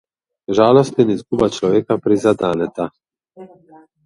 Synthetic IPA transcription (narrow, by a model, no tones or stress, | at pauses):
ʒaːlɔst̪ɛnizɡuːbat͡ʃlɔʋeːkapɾizad̪aːnɛt̪a